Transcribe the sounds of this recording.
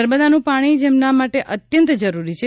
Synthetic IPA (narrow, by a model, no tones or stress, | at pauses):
əɾməd̪anũpaɽ̃id͡ʒemnamaʈeʔət̪jənt̪d͡ʒəɾuɾit͡ʃʰe